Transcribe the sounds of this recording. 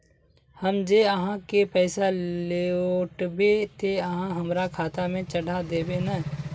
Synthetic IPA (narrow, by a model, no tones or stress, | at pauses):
hɐmd͡ʒeːəɦãkepɛːsaleoːʈbet̪eəɦãɦɐmɾakʰaːt̪amẽt͡ʃɐɽad̪eːbena